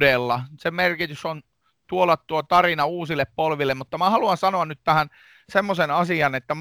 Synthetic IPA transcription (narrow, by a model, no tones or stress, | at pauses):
delːɑsemerkit̪yson | t̪uolɑtt̪uot̪ɑrinɑuːsilːˑeppolʋilːˑemmut̪ːɑmæhɑluɑnsɑnoɑnnyt̪t̪æhæn | semːosenɑsiɑnet̪ːæm